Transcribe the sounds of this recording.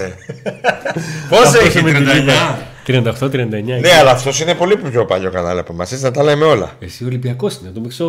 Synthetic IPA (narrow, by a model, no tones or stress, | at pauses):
e | poseosmet̪iit̪ɾiɐnd̪ɐt̪ot̪ɾiɐnd̪ɐeɲɐne̞ɐlɐːft̪o̞sinepo̞liço̞pɐʎo̞kɐnɐ̰lepomɐsisnɐt̪ɐlemeo̞lɐ̰esiolibiɐko̞sinet̪omikso